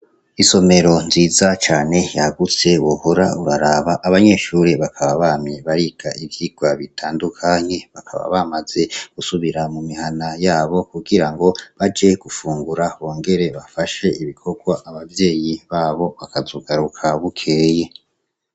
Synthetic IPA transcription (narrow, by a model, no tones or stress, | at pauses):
iso̞me̞ɾo̞nziːzat͡ʃaːne̞jaɡut͡se̞wohoɾauɾaɾaβaʔːβaɲe̞ʃuːɾiβakʰaβaβaːmɲe̞βaɾiɡ̥aʔivjiɡ̥waβitʰaːndukʰaɲe̞βakʰa̰βa̰βamaz̥e̞ɡ̥usuβiɾamumihanajaːβo̞kuɡiɾaŋɡo̞βad͡ʒe̞ɡ̥ufuːŋɡuɾawoːŋɡe̞ɾe̞βafaʃe̞iβikʰo̞ɡwaʔaβavje̞ːjiβaːβo̞βakazoɡaɾukʰaβukʰe̞je̞